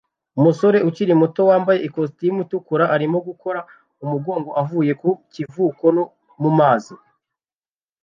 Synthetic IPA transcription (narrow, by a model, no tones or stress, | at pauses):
umuso̞ɾe̞ʔuciɾimuto̞waːmbaje̞ʔikos̬tijimutukuɾaʔaɾimoɡuko̞ɾa | umuɡo̞ːŋɡo̞ʔavuːje̞kucivuːko̞no | mumaːzi